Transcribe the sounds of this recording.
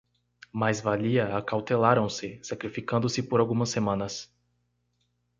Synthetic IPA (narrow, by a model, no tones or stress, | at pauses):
majzvaliɐakawt̪elaɾɐ̃w̃sɪsakɾifikɐ̃nd̪ʊsɪpoɾawɡũmɐsːemɐ̃nɐs